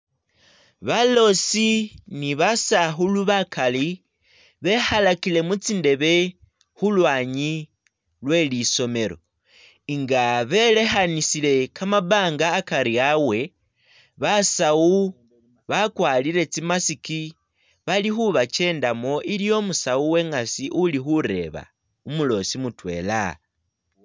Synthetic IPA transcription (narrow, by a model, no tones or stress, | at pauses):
βalo̞siniβasaxuluβakʰali | βe̞halakile̞mut͡sinde̞βe̞ | xulwaːɲi | lwe̞liso̞me̞ɾo̞̰ | iŋɡaβe̞le̞xanisile̞kamaβaːŋɡaːkaɾiawe̞ | βasau | βakwalile̞t͡simasiki | βalixuβat͡ʃe̞ːndamo̞ʔilijo̞musauwe̞ŋasiʔulixuɾe̞̰βa̰ | umulo̞simutwe̞̰ːla̰